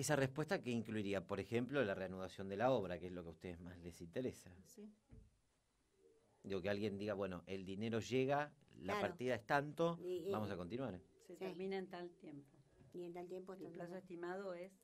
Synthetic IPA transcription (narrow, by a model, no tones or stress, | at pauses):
esarespwe̞st̪akeiŋkluiɾiapo̞ɾexemplo̞lareanuðasjo̞nd̪e̞laoβ̞ɾakeezlo̞keust̪e̞ðezmaslesint̪eɾesa | d̪iɣo̞kealɣje̞nd̪iɣaβwe̞no̞ʔeld̪ineɾo̞ʒeɣalapaɾt̪iðaest̪ant̪o̞bamo̞sako̞nt̪inw̃aɾset̪eɾmĩnaent̪alt̪jempo | ajempplasoest̪imaðoes